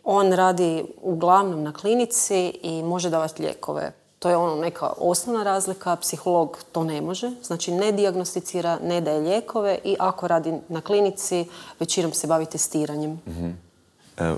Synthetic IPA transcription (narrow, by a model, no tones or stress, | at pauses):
o̞ːnɾaːd̪iuɡlˠaʋno̞mnaklinit̪siimo̞ʒed̪aːʋat̪ʎḛːko̞̰ʋḛ | t̪o̞ːjeo̞nane̞kʰa̰ʔo̞snoʋnaɾaːzlikapsixo̞lˠo̞ɡt̪o̞ːne̞mo̞ʒeznaːt͡ʃine̞d̪iaɡnost̪it̪siːɾane̞d̪aje̞ʎeko̞ʋe̞ʔiʔako̞ɾaːd̪inaklinit̪siʋe̞t͡ʃino̞mse̞baʋit̪e̞st̪iːɾaɲem